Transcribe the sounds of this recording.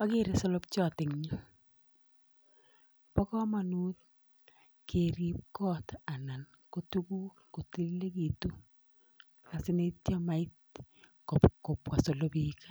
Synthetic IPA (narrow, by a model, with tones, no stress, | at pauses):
a˦ke˦ɾe˨so˦lo˦kt͡ʃɔ˦˨tɪ˨ŋɲa˦ | pɔ˦kɔ˦ma˨nuː˦t̚ | ke˨ɾi˦p̚kɔ˦ta˨na˨n | ko˨tu˦ku˦kku˨ti˦lle˦ki˨tu˦ | a˨sɪ˦ne˦tja˦ma˨ɪ˦t̚ | kɔ˨pko˨pwa˨so˨lo˦pi˦kḁ˦